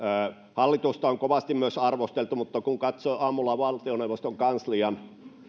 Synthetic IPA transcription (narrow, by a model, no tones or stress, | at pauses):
hɑlːit̪ust̪ɑoŋkoʋɑst̪immyøsɑrʋost̪elt̪umut̪ːɑkuŋkɑt̪soːɑmːulːɑʋɑlt̪ioneˑuʋˑost̪oŋkɑnsliɑn